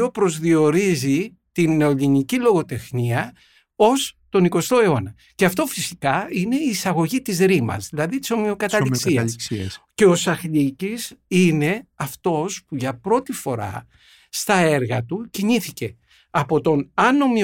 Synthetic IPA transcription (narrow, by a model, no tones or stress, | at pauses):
opɾo̞zðio̞ɾizi | t̪inːe̞o̞ʎinicilo̞ɣo̞t̪e̞xniɐ | o̞st̪o̞niko̞st̪o̞e̞o̞nɐ | ce̞ɐft̪o̞fisikɐine̞iːsɐɣo̞ʝit̪izɾimɐ̰zðilɐðit̪i̥so̞miokɐt̪ɐliksiɐskssce̞o̞sɐxʎicisine̞ɐft̪o̞spuʝɐpɾo̞t̪ifo̞ɾɐ̰ | st̪ɐe̞ɾɣɐt̪uciɲiθice̞ | ɐpo̞t̪o̞nɐno̞mi